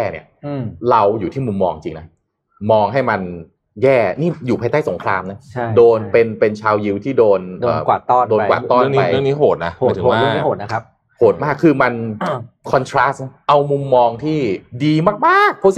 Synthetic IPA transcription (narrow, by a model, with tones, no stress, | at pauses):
jɛː˥˩nḭ˥˩ɐɾa˧wjuː˨˩t̪ʰiː˥˩mu˧mːɔ̰ː˧ŋt͡ɕi˧ŋna˦˥ | mɔː˧ŋɦa˥˩jma˧n | jɛː˥˩niː˥˩juː˨˩pʰaː˧jt̪aː˥˩so˩˦ŋkʰɾaː˧mna˦˥doː˧npe˧npe˧nt͡ɕʰaː˧wji˧wt̪ʰiː˥˩doː˧nʔdə̰ː˧˨˩kwa˨˩ɔː˥˩doː˧n˧wa̰˨˩t̪ːɔː˦˥˩ŋna˦˧jəniː˦˥ɦoː˨˩t̪̚na˦˥˨t̪ʰɯ˩˨˩maː˩˥˩hoː˨˩t̪̚na˦˥k̚ʰ | hoː˨˩t̪̚maː˥˩kʰːɯː˧ma˧nkʰɔ˧nt̪ʰɾaː˦˥sʔa˧wmu˧mːɔː˧ŋt̪ʰiː˥˩diː˧maː˥˩k̚maː˥˩k̚